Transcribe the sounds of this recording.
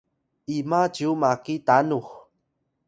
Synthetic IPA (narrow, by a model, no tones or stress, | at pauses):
ʔimad͡ʒumakitanux